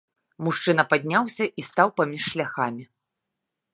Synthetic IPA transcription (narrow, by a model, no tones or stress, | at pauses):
muʂt͡ʂɨnɐpad̪ʲnʲawsʲɐʔist̪awpamʲiʂːlʲaxamʲi